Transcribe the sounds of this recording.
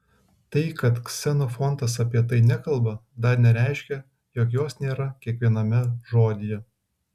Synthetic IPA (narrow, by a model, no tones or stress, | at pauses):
t̪ɐɪkɐt̪ksʲɛnoːfɔnt̪ɐs̬ɐpʲiɛt̪ɐɪnʲækɐlˠbɐd̪ɐɾnʲɛɾʲæˑɪʃʲkʲɛ | joːkjoːsnʲeːɾɐkʲiɛkʋʲiɛnɐmʲɛʒoːd̪ʲɪjɛ